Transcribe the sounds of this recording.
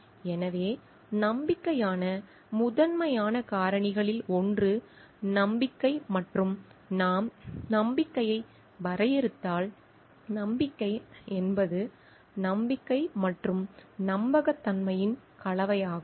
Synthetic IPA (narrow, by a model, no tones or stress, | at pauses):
ɛnɐʋeː | nɐmbɪkːɐjaːnɐ | mʊðɐnmɐjaːnɐkaːɾɐɳɪɣɐɭɪlɔndrɯ | nɐmbɪkːɐɪmɐʈrɯmnaːmnɐmbɪkːɐjɐɪ | ʋɐɾɐjɛɾɯt̪ːaːl | nɐmbɪkːɐɪɛnbɐðɯ | nɐmbɪkːɐɪmɐʈrɯmnɐmbɐɣɐt̪ːɐnmɐjɪn | kɐɭɐʋɐjaːɣɯm